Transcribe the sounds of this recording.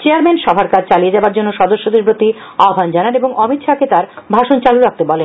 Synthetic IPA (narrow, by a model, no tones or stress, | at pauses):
t͡ɕeaɾmenʃɔbʱaɾkad͡ʑʰt͡ɕalied͡ʑabaɾd͡ʑonːoʃɔd̪oʃːod̪eɾbɾot̪iɔɡʱand͡ʑananeboŋɔmit̪ʃaket̪aɾbʱaʃont͡ɕaluɾak̚t̪ebɔlen